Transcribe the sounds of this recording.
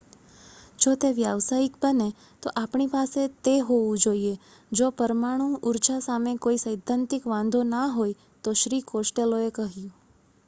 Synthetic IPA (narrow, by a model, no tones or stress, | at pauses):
d͡ʒot̪eʋjaʋsaikbəne | t̪oʔapɳipaset̪eɦoʋũd͡ʒoie | d͡ʒopəɾmaɽ̃ũʔuɾt͡ʃasamekoisəjd̪ʱãnt̪ɪkʋãnd̪ʱonaɦoj | t̪oʃɾikosʈeloekəɦjũ